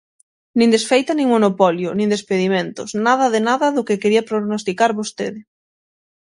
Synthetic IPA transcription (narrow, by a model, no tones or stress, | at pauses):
nĩŋd̪esfejt̪ɐnĩŋmonopɔljʊnĩnd̪espeðimẽnt̪ʊsnað̞ɐðɪnaðɐðʊkɪkeɾiɐpɾoɣnost̪ikaɾβost̪eðɪ